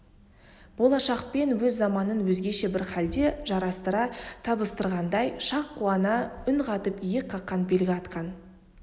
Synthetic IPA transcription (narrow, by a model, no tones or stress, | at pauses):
b̥o̞lˠɑʃɑqpe̞nwɵzːɑmɑnənwɵzɡʲe̞ʃe̞bɪɾχæld̪e̞ʒɑɾɑst̪əɾɑt̪ʰɑbəst̪əɾʁɑnd̪ɑjʃɑqːuɑnɑʏnqɑt̪əpijɪqʰːɑqːɑnbe̞lɡʲɪɑt̪qɑn